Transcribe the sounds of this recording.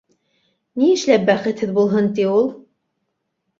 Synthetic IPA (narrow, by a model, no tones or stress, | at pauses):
niɘ̆ʃlæp̚bæχɘ̆t̪hɘðbulˠɦɤnt̪iulˠ